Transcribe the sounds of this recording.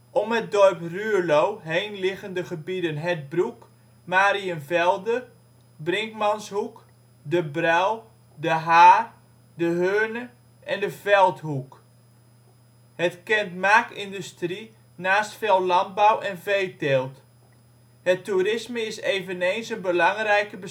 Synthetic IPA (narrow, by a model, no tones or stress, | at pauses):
ʔɔmɦət̚dɔrpryəlowɦejnlɪɣəndəχəbidənɦɛt̚bruk | maːɾiənvɛlˠdə | brɪŋkmɑnshuk | dəbraw | dəɦaːr | dəɦøːnə | ʔɛndəvɛlˠthuk | hətkɛntmaːkɪndystri | naːstfɛlˠlɑnt̚bawʔɛnvejtelˠt | hətːuɾɪsməɪsejvənejnsənbəlɑŋrɛjkəbə